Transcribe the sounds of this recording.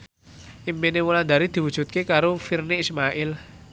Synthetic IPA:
ʔimpinewuland̪a̤ɾid̪̥i̤wud̥ʒ̥ṳt̪̚kekaɾofirneismaʔɪl

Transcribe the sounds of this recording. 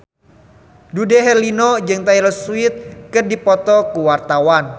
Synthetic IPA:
dudeɦɛrlinɔd͡ʒɨŋt̪ailɔsuɪt̪̚kɨrdipɔt̪ɔkuwart̪awan

